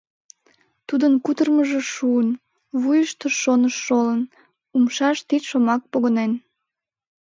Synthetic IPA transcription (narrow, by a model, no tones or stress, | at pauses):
t̪ud̪ənkut̪ərməʒeʃuən | βujəʃt̪əʃːonəʃːolən | umʃɑʃt̪it̪ʃomɑk̚poɣonen